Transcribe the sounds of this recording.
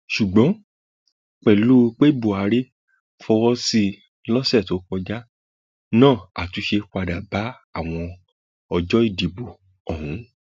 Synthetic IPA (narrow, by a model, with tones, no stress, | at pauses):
ʃu˨ɡ͡bɔ̃˨˦ | k͡pɛ˨lu˦k͡pe˦bo˨a˨˧ɾe˦ | fɔ˧wɔ˦si˦ | lɔ˦sɛ˦˨to˨˦kɔ˧d͡ʒa˦ | nãː˦˨a˨tu˨˦ʃe˧kʷa˧da˨ba˨˦ | a˦˨w̃ɔ̃˧ | ɔ˧d͡ʒɔ˦i˦˨di˨bo˨ | ɔ˨ɦũ˨˦